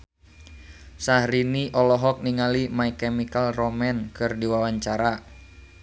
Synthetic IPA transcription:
sahɾiniʔɔlɔɦɔk̚niŋalimaikɛmikalrɔmɛnkɨrdiwawaɲt͡ʃaɾa

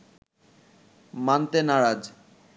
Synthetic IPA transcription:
mant̪enaɾad͡ʑ

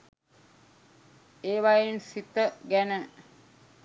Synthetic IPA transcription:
eːʋajensit̪əɡænə

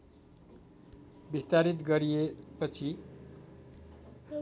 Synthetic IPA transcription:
bist̪aɾit̪̬ɡʌɾijepʌt͡sʰi

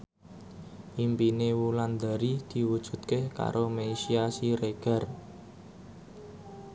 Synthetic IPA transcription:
ʔimpinewuland̪aɾid̪̥i̤wud̥ʒ̥ṳt̪̚kehka̰ɾʔomeʃiasiɾeɡ̥a̤r

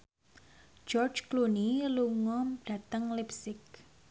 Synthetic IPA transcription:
d͡ʒɔrd͡ʒkluniluŋɔm̥a̤t̪əŋlipsɪk̚

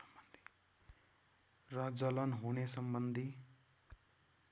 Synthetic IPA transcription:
ʌmbʌnd̪ʱi̥ | rʌd͡zʌlʌnɦunesʌmbʌnd̪ʱi

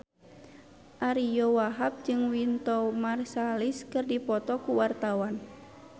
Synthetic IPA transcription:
ʔaɾijɔwaɦap̚d͡ʒɨŋwint̪ɔmarsaliskɨrdipɔt̪ɔkuwart̪awan

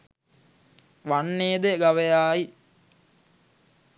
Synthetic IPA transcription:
ʋanːeːd̪eɡaʋejaːi

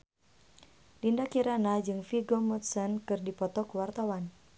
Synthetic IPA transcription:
lindakiɾanad͡ʒɨŋfiɡomɔt̪sɔnkɨrdipɔt̪ɔkuwart̪awan

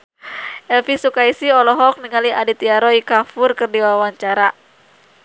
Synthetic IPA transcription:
ʔɛlfisukaisiɔlɔɦɔk̚niŋaliʔadit̪iaɾɔikafurkɨrdiwawaɲt͡ʃaɾa

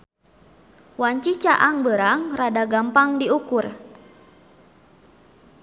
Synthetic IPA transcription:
waɲt͡ʃit͡ʃaʔaŋbəɾaŋradaɡampaŋdiukur

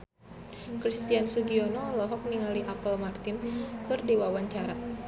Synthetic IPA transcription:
kɾist̪iansuɡiɔnɔlɔɦɔk̚niŋaliʔapəlmart̪ɪnkɨrdewawaɲt͡ʃaɾa

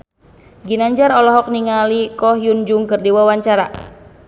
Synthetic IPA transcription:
ɡinaɲd͡ʒaɾɔlɔɦɔk̚niŋalikɔɦjund͡ʒuŋkɨrdiwawaɲt͡ʃaɾa̰

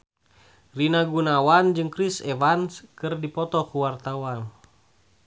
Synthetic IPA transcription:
rinaɡunawand͡ʒɨŋkɾisɛvanskɨrdipɔt̪ɔkuwart̪awan

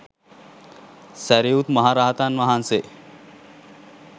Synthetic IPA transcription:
səɾeut̪məɦaɾaɦt̪anʋəɦanse

